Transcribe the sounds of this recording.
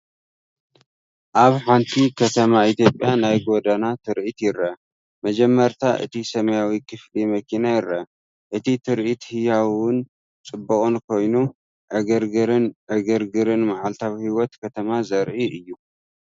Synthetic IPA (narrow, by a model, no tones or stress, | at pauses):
ʔaβħant̪ʰikʰɐt̪ʰɐmaʔit̪ʰjo̞pʼjanajɡod̪anat̪ʰɨɾʔit̪jɪɾɐ | mɐd͡ʒɛmːɐɾt̪ʰaʔɨ̰t̪ʰisɐmɐjawikʰɨflimɐkʰinajɪɾɐ | ʔɨt̪ʰit̪ʰɨɾʔit̪hɨjawʊn | t͡sʼɨbːɐχʼunkʰo̞jnu | ʔɐɡɐɾɡɾɨnʔɐɡɐɾɡɨɾɨnmaʕalt̪ʰawhiwɔt̪kʰɐt̪ʰɐmazɐɾʔiʔɨjːu